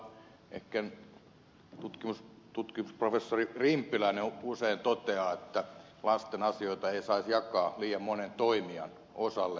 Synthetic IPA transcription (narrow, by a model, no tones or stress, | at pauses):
ḛhkːæn | t̪ut̪kimus | t̪ut̪kimusprofesːoririmpːˑilæineuseint̪ot̪eɑet̪ːæ | lɑst̪enɑsioit̪ɑeisɑisjɑkɑːliːjɑmmonent̪oimiɑ̰n | osɑlːe